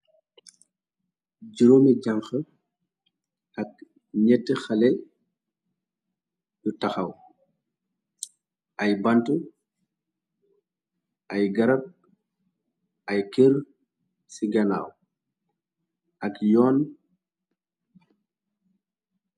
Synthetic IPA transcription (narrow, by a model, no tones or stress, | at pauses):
ɟiɾomiɟɐŋxə | ɐk̚ | ɲɛtːəxɐlɛ | jutɐxɐw | ʔɐjbɐntu | ɐjɡɐɾɐb̚ | ɐjkər | siɡɐna̰ːw | ɐkjɔːn